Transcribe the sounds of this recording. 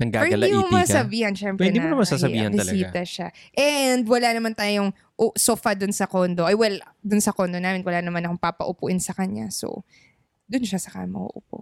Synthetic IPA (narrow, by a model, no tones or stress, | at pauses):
nɐŋɡa̰ːpɛhɪɡɐlɐimʊmɐsɐbiːhɐnʃɛmpɾɪɛd̪nimonɐmɐsaːɐbḭːhɐnɪɐsɐiːt̪ɐʃaʔɛnd̪wɐlanɐmant̪aːjoŋ | ʔosoːfɐd̪ʊnsɐkond̪oʔɐjwɛld̪ʊnsɐkond̪onaːmɛnwɐlanɐmanɐkoŋpapɐʔʊpʊʔɪnsɐkɐɲa̰so̰ | d̪ʊnʃasɐka̰ːmɐʔo̰ʔʊp̚o̰